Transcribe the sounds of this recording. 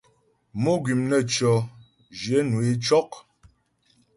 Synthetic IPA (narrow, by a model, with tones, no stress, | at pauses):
mo˦ɡɥi˨mnə˦˨t͡ʃɔ˨ | d͡ʒje˨˦nu˨e˦t͡ʃɔ˦k